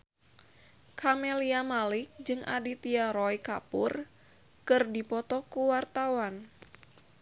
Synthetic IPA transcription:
kʰamɛliamalɪk̚d͡ʒɨŋʔa̰dit̪iaɾɔikapur | kɨrdipɔt̪ɔkuwart̪awan

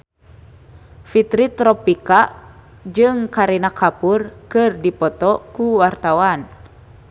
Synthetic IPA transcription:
fit̪ɾit̪ɾɔpika | d͡ʒɨŋkaɾinakʰapurkɨrdipɔt̪ɔkuwart̪awan

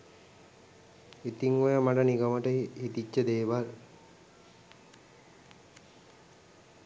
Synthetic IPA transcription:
it̪iŋojamaʈəniɡəməʈəihit̪it͡ʃːəd̪eːʋal

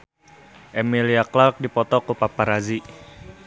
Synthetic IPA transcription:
ʔemiliaklark̚dipɔt̪ɔkupapaɾazi

